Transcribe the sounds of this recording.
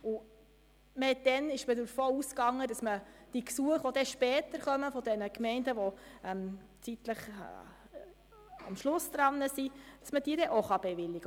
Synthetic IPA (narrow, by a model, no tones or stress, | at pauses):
ʊ | məhɛt̚d̪̥ɛnɪʃmədʊɾfoːuskɑŋːədɑsməd̥iksuəχʋod̪ɛʃpɛːt̪əɾχœməfɔd̪ɛnəkmɛɪndəʋɔɛm | t͡sit̪ləχ | ɑ̰mʃlʊsd̥̪ɾɑnːəsid̥ɑ̥sməd̥iːəɾɛʔoχɑb̥ɛʋɪlːɪɡə